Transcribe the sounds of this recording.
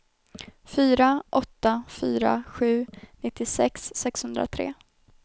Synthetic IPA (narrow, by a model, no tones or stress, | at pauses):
fyːɾaʔɔt̪ːafyːɾa̰ɧʉ̟ːnɪt̪ːɪsɛksːɛkshɵnd̪ɾa̰t̪ʰɾḛː